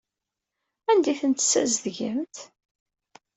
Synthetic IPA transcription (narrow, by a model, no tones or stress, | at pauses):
ænd̪iθənt̪sæzðʝəmt̪